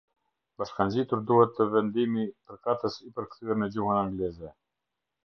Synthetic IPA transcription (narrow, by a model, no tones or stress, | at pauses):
b̥aʃkand͡ʑit̪uɾd̪uhɛt̪ʰːəvɛnd̪imipəɾkat̪əsipəɾkθyɛɾmɛd͡ʑuhənaŋɡlɛzɛ